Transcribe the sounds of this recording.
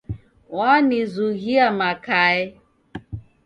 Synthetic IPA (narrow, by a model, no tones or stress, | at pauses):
wanɪzuɣiamakaɪ